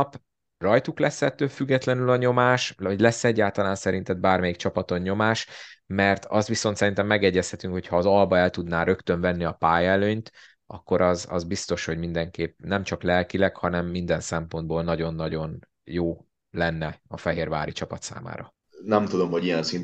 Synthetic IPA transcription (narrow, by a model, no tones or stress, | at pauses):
p | rɒjt̪uklɛsːɛt̪ːøːlfyɡːɛt̪lɛnylɒɲo̞maːʃɒɟlɛsːɛɟːaːlt̪ɒlaːnsɛɾint̪ɛd̪̚baːrmɛjik̚t͡ʃɒpɒt̪o̞ɲːo̞maːʃmɛrt̪ɒst̪ʋiso̞nt̪sɛɾint̪ɛmːɛɡɛɟːɛshɛt̪yŋkho̞cʰhɒːzɒlbɒɛlt̪ud̪naːɾø̞kt̪øɱvɛnːiɒpaːjɛløːɲt̪ | ʔɒ̰kːo̞ɾɒzɒ̰zbist̪o̞ʃho̞ɟmind̪ɛŋkeːpnɛmt͡ʃɒklɛlkilɛkhɒnɛmːind̪ɛnsɛmpo̞nd̪̚boːlnɒɟo̞nːɒɟo̞n | joː | lɛnːɛɒfɛɦeːrva̰ːɾit͡ʃɒpɒt̪sa̰ːma̰ːɾɒ | nɛmt̪ud̪o̞mho̞ɟijɛnsin